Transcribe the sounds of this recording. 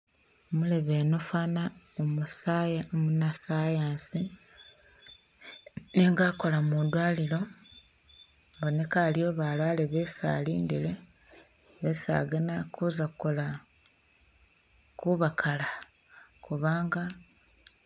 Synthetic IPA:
mule̞βenufaːnaomusaːjaomunasaːjaːnsi | neŋɡaːko̞lamud̪waːlilo̞ | βo̞ne̞kalijo̞βalwaːleβe̞sa̰ːliːndile̞ | βesa̰ɡenakʰuzakuko̞la | kuβakʰala | kuβaːŋɡa

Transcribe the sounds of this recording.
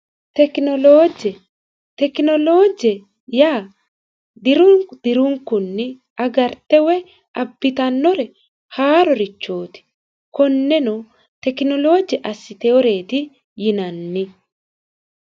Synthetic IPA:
t̪ɛknɔloːd͡ʒɛ | t̪ɛkɪnɔloːd͡ʒɛ | jaː | d̪ɪɾʊŋd̪̥ɪɾʊŋkːʊnːɪ | ɐɡɐɾt̪ːɛwɛ | ɐbːɪt̪ɐnːɔɾɛ | haːɾɔɾɪt͡ʃːo̞ːt̪ɪ̥ | kɔnːɛnɔ | t̪ɛkɪnɔlo̞ːd͡ʒɛʔɐsːɪt̪ɛwɔɾe̞ːt̪ɪ | jɪnɐnːɪ

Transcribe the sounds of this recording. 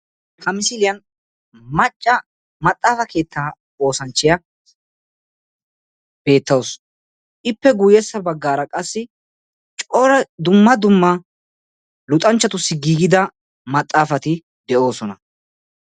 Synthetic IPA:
kɐmɪsɪlɪjɐn | mɐt͡ʃʼːɐ | mɐt̪ʼːaːfɐke̞ːt̪ːaː | o̞ːsɐnt͡ʃːɪjɐ | b̥e̞ːt̪ːɐws | ʔɪpːɛɡʊjɛsːɐbɐɡːaːɾɐkʼɐsːɪ | t͡ʃʼɔɾɐd̪ʊmːɐd̪ʊmːɐ | lʊt̪ʼɐnt͡ʃːɐt̪ʊsːɪɡiːɡɪd̪ɐ | mɐt̪ʼːaːfɐt̪ɪ | d̪ɛo̞ːsɔnɐ

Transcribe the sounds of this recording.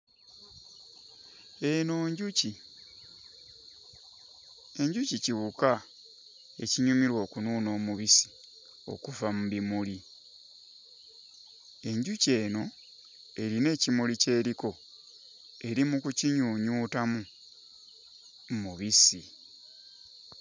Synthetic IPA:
e̞noːɲɟuci | e̞ɲɟuciciwuka | e̞ciɲumiɾwo̞ːkunuːno̞ːmuβisi̥ | o̞̰kuvamuβimuli | e̞ɲɟuce̞ːno̞ | e̞ɾine̞ːcimulice̞ːɾiko̞ | e̞ɾimukuciɲuːɲuːtamu | muβisi

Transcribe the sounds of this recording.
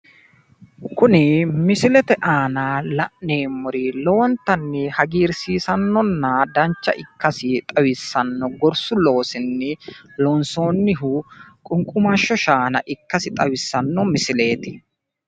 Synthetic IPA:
kʊnɪmɪsɪlɛt̪ɛʔaːnaːlɐʔne̞ːmːʊɾɪlɔwɔnt̪ɐnːɪhɐɡiːɾsiːsɐnːɔnːɐd̪ɐnt͡ʃːɐ̰ʔɪkːɐsɪt̪ʼɐwɪsːɐnːɔɡɔɾsʊlo̞ːsɪnːɪloːnso̞ːnːɪɦʊkʼʊŋkʼʊmɐʃːɔʃaːnɐʔɪkːɐsɪt̪ʼɐwɪsːɐnːɔmɪsɪle̞ːt̪ɪ

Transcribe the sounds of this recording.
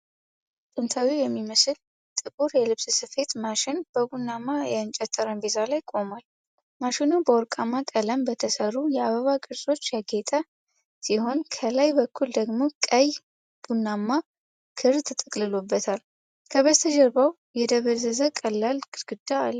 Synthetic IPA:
t̪ʼɨnt̪ʰawijɛmːiməsɨl | t̪ʼɨkʼuɾjɛlɨβssɨfe̞t̪maʃɪnb̥əbunːamːajɛɨnt͡ʃʼɛt̪ʰʼːəɾəmbezalajkʼo̞mal | maʃɪnubəwɔɾkʼamːakʼələmbət̪ʰəsəɾujɛaβəβakʼɨɾsʼo̞t͡ʃːjaɡet̪ʼa | siho̞nkʰəlajbəkʰːuld̪əɡmo̞kʼəj | b̥unːamːa | kʰɨɾt̪ʰɨt̪ʼɨkʼlɨlo̞bːət̪ʰal | kʰəβət̪ʰəd͡ʒɛɾbaw | jɛd̪əβəzəzəkʼəlːalɡɨɾɡ̥ɨd̪aːlː

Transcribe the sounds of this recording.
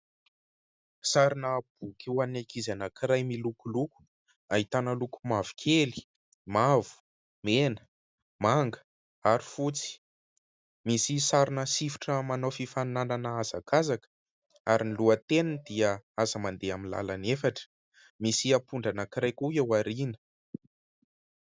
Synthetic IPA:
saɾinəːb̥̚ukʰeanakizanəkiɾajmilukuluku̥ | aɦit̪anəlukumavi̥kʰeli̥ | mavu̥ | menə̥ | maŋɡə̥ | aɾi̥fut͡si̥ | misisaɾinəsifi̥ʈ͡ʂəmanofifanananəazakʰazakə̥ | aɾinluət̪enəd̪iəazəmand̪eaminla̰lanefaʈ͡ʂə̥ | misiapuɳɖ͡ʐanəkiɾajkuewaɾinə̥

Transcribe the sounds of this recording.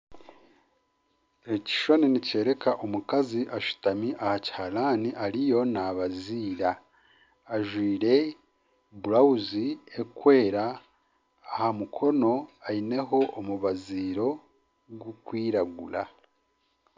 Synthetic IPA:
ɾeci̥ʃoninice̞ːɾe̞kaʔomukaziʔaʃu̥tamiʔahaci̥halaːniʔaɾijo̞naβaziːɾaː | ʒwiːɾe̞ | buɾauziekwe̞ːɾaː | hamukʰo̞no̞aine̞ɦo̞ʔːmuβaziːɾo̞ | ɡukwiːɾaɡula

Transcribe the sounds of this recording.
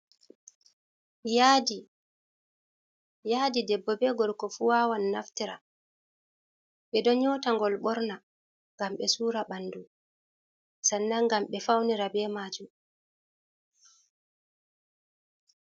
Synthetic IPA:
jadi | jadidɛbːɔbɛɡɔɾkɔfuwaːwanːaftiɾa̰ | ɓɛdɔɲɔtaŋɡɔlɓɔɾna | ŋɡamɓɛsuːɾaɓandu | sanːaŋɡamɓɛfawniɾabɛːmaːd͡ʒum

